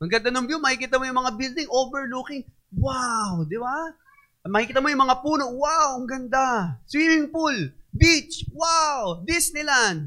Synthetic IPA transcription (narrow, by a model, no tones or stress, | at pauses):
mɐŋɡɐnd̪ɐnombjomɐkikiːt̪ɐmojʊŋmɐŋabild̪ɪŋʔoːbɛɹlukɪŋ | wawd̪ɪba | mɐhikiːt̪ɐmojʊŋmɐŋapuːnowawɡɐnd̪aswiːmɪŋpulbit͡ʃwawd̪ɪsnɪlan